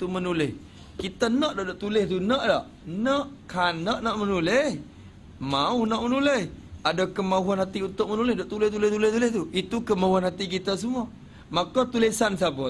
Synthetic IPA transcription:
t̪umənulɪh | kit̪anaʔdadaʔt̪ulɪht̪unaʔlaʔ | naʔkʰanːaʔnaʔmənulɪh | maʊhnaʔmənulɪhadakəmauɦanhat̪iunt̪ʊʔ̚mənulɪhdaʔt̪ulɪht̪ulɪht̪ulɪht̪ulɪht̪uit̪ukəmauanhat̪ik̬it̪as̬umua | makot̪ulisansabʊ

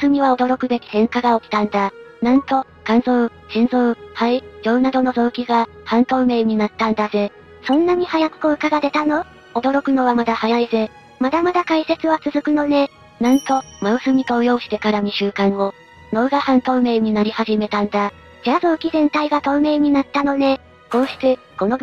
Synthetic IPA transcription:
sɨmʲiβao̞d̪o̞ɾo̞kɯ̟be̞kʲi̥h̪ẽ̞ŋkaɡaokʲi̥t̪ãnd̪anãnt̪o̞ | kãñso | ɕĩnzohaid͡ʑo̞ːnad̪o̞no̞zo̞ːkʲiɡahãnt̪o̞ːme̞ːɲ̟inat̪ːãnd̪aze̞ | sõ̞nːaɲ̟ihajakɯ̟̥koɯ̟kaɡad̪e̞t̪ano̞ | od̪o̞ɾo̞kɯ̟no̞βamad̪ahajaize̞ | mad̪amad̪akaise̞t͡sɨβat͡sɨzɨkɯ̟no̞ne̞ | nãnt̪o̞maɯ̟sɨmʲit̪o̞ːjo̞ːɕi̥t̪e̞kaɾaɲ̟iɕɨːkãɰ̃o | no̞ːɡahãnt̪o̞ːme̞ːɲ̟inaɾʲihaʑime̞t̪ãnd̪a | d͡ʑaːzo̞ːkʲizẽ̞nt̪aiɡat̪o̞ːme̞ːɲ̟inat̪ːano̞ne̞ | ko̞ːɕi̥t̪e̞ | ko̞no

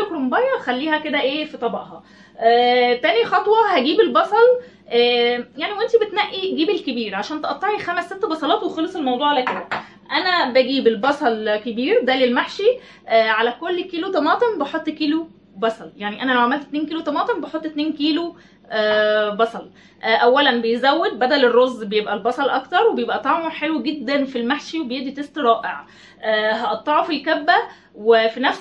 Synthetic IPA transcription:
kɾombɑjɑxælːiːhæked̪æʔeːfit̪ˤɑbɑʔhɑ | ʔːt̪æːnixɑt̪ˤwɑhæɡiːbelbɑsˤɑl | ʔæːjaʕniwʔent̪ibet̪næʔːiɡiːbelkebiːɾʕaʃæːnt̪eʔɑt̪ˤːɑʕixæmæsːet̪ːbɑsˤɑlɑːt̪wexɑlesˤelmɑwd̪ˤuːʕalæked̪æ | ʔænæbæɡiːbelbɑsˤɑlkebiːɾd̪ælelmaħʃi | ʔːʕalækolːkiːlut̪ˤɑmɑːt̪ˤembɑħot̪ˤːkiːlu | bɑsˤɑljaʕniʔænælæwʕamælt̪t̪neːnkiːlot̪ˤɑmɑːt̪ˤembeħot̪ˤːt̪neːnkiːlo | bɑsˤɑl | ʔʔæwːælænbejzæwːed̪̚bæd̪ælerˤːozːbejebʔælbɑsˤɑlʔɑkt̪ɑɾˤwebejebʔæt̪ˤɑʕmoħelwæɡed̪ːænfilmaħʃiwebejeʔd̪it̪est̪ɾˤɑːʔeʕ | ʔæɦɑʔɑt̪ˤːɑʕofilkæbːæ | wefinæfs

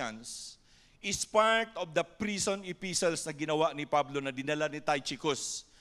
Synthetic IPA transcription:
ɐ̰̃ns | ʔɪspaɹt̪ɔvd̪ɐpɾisõnɪpisɔlsnɐɡɪnɐwaʔnɪpablonɐd̪ɪnɐlanɪt̪ajt͡ʃɪkos

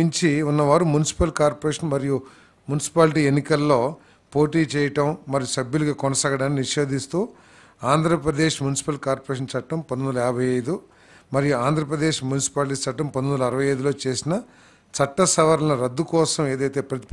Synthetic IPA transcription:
iɲt͡ʃiunːɐʋaːɾumunisi̥pɐlkaːɾpɾeːʂɐnmɐɾiju | munisi̥paːlʈiːenːikɐlːo̞ː | po̞ːʈiːt͡ʃɛːjɐʈɐmːɐɾijusɐbjuluɡaːkɔnɐsaːɡɐɽaːnːiniʂe̞ːd̪ist̪uː | aːnd̪ʱɾɐpɾɐd̪e̞ːʂmunisi̥pɐlkaːɾpɐɾeːʂ̬ɐnt͡ʃɐʈːɐmpɐnːond̪ɐlɐɛɾɐbʱɐjɐjd̪u | mɐɾijuaːnd̪ʱɾɐpɾɐd̪e̞ːʂmunisi̥paːlʈ̬iːt͡ʃɐʈːɐmpɐnd̪onɐlɐɐɾɐʋɐjɐjd̪ulo̞ːt͡ʃe̞ːsinɐ | t͡ʃɐʈːɐsɐʋɐɾlɐnɐɾɐd̪ːukɔːsɐme̞ːd̪ɐjt̪e̞ːpɾɐt̪i̥p

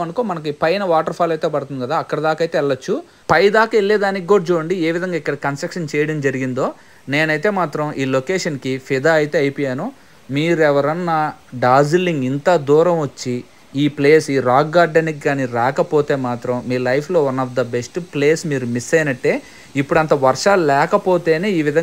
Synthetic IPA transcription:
ɐnɐkoːmɐnɐk̬ipɐjnɐʋaːʈɐɾpʰaːlɐjt̪e̞ːpɐɽt̪und̪iɡɐd̪aːɐkːɐɽɐd̪aːkɐjt̪e̞ːɛɭːɐt͡ʃːu | pɐjd̪aːkɐeɭːeːd̪aːnikʲiɡoːɽd͡ʒuːɽɐɳɖieːʋid̪ʱɐŋɡaːikːɐɽɐkɐnsʈɾɐkʂɐnt͡ʃɛːjɐɽɐmd͡ʒɐɾiɡind̪o̞ː | ne̞ːnɐjt̪e̞ːmaːt̪ɾɐmʔiːlo̞keːʂɐnkipʰid̪aːɐjit̪e̞ːɐjpɔːjaːnu | miːɾɛʋɐɾɐnːɐɖaːziliŋɡint̪ɐd̪uːɾɐmʋɐt͡ʃːi | iːpleːsiːɾaːkːaːɾɖɐnikɡaːniɾaːkɐpoːt̪e̞ːmaːt̪ɾɐmːiːlɐjpʰlo̞ːunːɐfd̪ɐbesʈpleːsmiːɾumisɐjnɐʈːe̞ː | ipːuɽɐnt̪ɐʋɐɾʂaːlulɛːkɐpo̞ːt̪e̞ːneːiːʋid̪ʱɐ

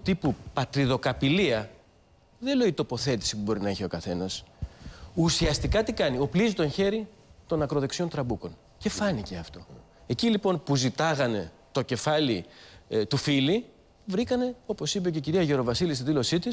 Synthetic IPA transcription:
t̪ipupɐt̪ɾiðo̞kɐpiliɐ | ðele̞it̪o̞po̞θe̞t̪i̥sipubo̞ɾinɐiçeo̞kɐθe̞nɐs | usiɐst̪ikɐt̪ikɐnio̞plizit̪o̞nçe̞ɾi | t̪o̞nɐkɾo̞ðeksio̞nt̪ɾɐbuko̞n | ce̞fɐnice̞ɐft̪o̞ | e̞cilipo̞npuzit̪ɐɣɐne̞ | t̪o̞ce̞fɐlit̪ufili | vɾikɐne̞o̞po̞sip̬e̞ce̞ciɾiɐʝe̞ɾo̞vɐsilist̪iðilo̞sit̪is

